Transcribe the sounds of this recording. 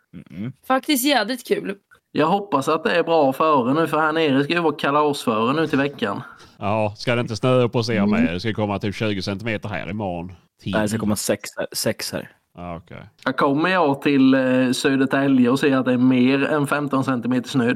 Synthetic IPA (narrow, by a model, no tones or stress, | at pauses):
fak̚t̪ɪst̪jælɪt̪kʰʉ̟ːl | jɑːɡɦɔpːasat̪̚d̪ɛæɾbɾɑːfœːɾənʉ̟ːfəɾhaneːɾɪskajʏvɑːkʰalaɔsfœːɾənʉ̟ːt̪ʰɪlvɛkːanɑːskad̪ɛɪnt̪əsnøːɔpʰas̬eːɾamɛjd̪ɛskad̪əkʰɔmːat̪ʰiːpɕʉ̟ːɡəsɛnt̪ɪmeːt̪əɾɦæ̰ːɾɪ̰mɑ̰ːn | t̪ʰːaskakɔmːəsɛkssɛkshæ̰ːɾ | ʔaːɔkʰɛ̰jjɑːɡ̚kʰɔmːəjɑːt̪ʰɪlsøːd̪ət̪ɛljəɔsɛːəɾat̪̚d̪ɛːɾmeːɾɛ̰nfɛmt̪ɔnsɛnt̪ɪmeːt̪əʂnøː